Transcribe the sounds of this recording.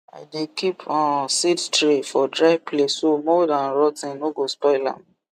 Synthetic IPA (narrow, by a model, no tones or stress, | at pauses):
a̰ɪdekʰipʰɔ̃nsittɹefɔdɹaɪvpʰlessomɔdãnɹɔtĩnoɡospɔɪlã̰m